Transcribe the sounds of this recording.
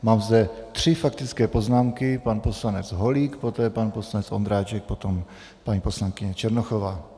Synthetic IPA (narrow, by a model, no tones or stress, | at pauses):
maːmzd̪ɛt̪r̝̥ɪfakt̪ɪt͡skɛːpo̞znaːmkɪpanpo̞slanɛd͡zɦoliːkpo̞t̪ɛːpanposlanɛt͡sʔond̪ɾaːt͡ʃɛk̚po̞t̪om | paɲiːpo̞slaŋkɪɲɛt͡ʃɛɾnoxovaː